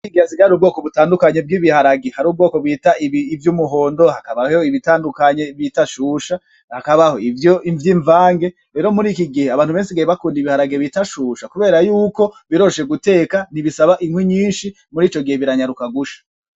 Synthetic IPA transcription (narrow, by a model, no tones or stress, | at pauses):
iɡiaziɡaɾuːbɡo̞ːkoβutaːndukaɲe̞b̚ɡiːβihaɾaɡehaɾuːb̚ɡo̞ːkobwiːtaiivjuːmuɦo̞ːndohakaβahooiβitaːndukaɲe̞βitaʃuːʃa | hakaβaho̞ivjoiɱvjiːɱvaːŋɡe̞ | ɾe̞ːɾo̞muɾiːkiɡiheaβaːn̥huβe̞ːnsiɡeeβakuːndiβihaɾaɡeβitaʃuːʃakuβe̞ːɾajuːko̞βiɾo̞ʃe̞ɡute̞ːkaniβisaβaʔiŋwiɲiːnʃi | muɾiːt͡ʃo̞ɡihe̞βiɾaɲaɾukaɡuʃḁ